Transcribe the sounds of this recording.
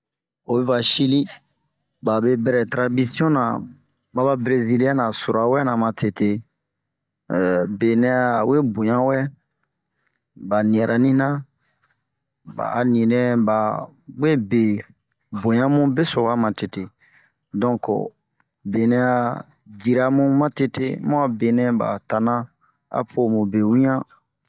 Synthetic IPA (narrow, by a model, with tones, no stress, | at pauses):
o˨bɛ˦va˨ʃi˦li˦ | ba˨be˦bɛ˨ɾɛ˨tɾa˨bi˦si˦ɔ̃˦nã˨ | ba˦ba˦bɾe˦zi˦li˦a˦nã˨so˨ɾa˨wɛ˦nã˨mã˨tʰe˨te˨ | be˨nɛ˦a˦˨we˦bõ˨jã˦wɛ˦ | ba˨nĩ˨ɛ˨ɾʔa˨nĩ˦nã˦ | ba̰˨nĩ˨nɛ̃˦ba˨we˦be˨ | bõ˨ɲã˦mũ˦be˦so˨wa˦mã˨te˨te˨ | dɔ̃˦ko̰˨ | be˨nɛ̃˦a˨ | d͡ʒi˨ɾa˨mũ˦mã˦te˦te˦mɔ̃˦a˨be˨nɛ̃˦ba̰˨ta˨nã˦ | a̰˨pʰo˨mũ˨be˨wũ˦ã˦